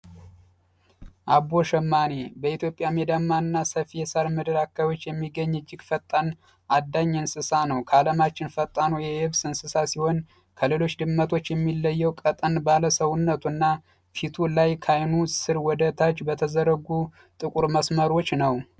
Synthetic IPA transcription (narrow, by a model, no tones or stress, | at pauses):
ʔaboʃɛmːanebəit̪ʰjo̞pʼjamed̪amːaɨnːasəfijɛsaɾmɨd̪ɨɾakːajo̞t͡ʃːjɛmːiɡːəɲːɨd͡ʒːɪɡfət̪ʼːan | ʔad̪ːaɲːɨɨnsɨsanəwkʰaləmat͡ʃːɪnfət̪ʼːanojɛjɨβsɨnsɨsasiho̞n | kʰəlelot͡ʃːd̪ɨmːət̪ʰo̞t͡ʃːjɛmːilːəjːəwkʼət̪ʼənbaləsəwʊnːət̪ʰunːa | fit̪ʰulajkʰajnusɨɾwɔd̪ət̪ʰat͡ʃːbət̪ʰəzəɾəɡu | t̪ʼɨkʼuɾməsməɾo̞t͡ʃːnəw